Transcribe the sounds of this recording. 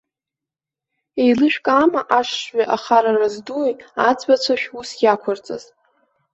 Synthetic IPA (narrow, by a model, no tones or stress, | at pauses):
ejlɨʃᶣkʼamaʔaʂʂɥaʔaχaɾarazduejad͡zbat͡ɕʷʰaʃᶣusjakʷʰart͡sʼa̰z̥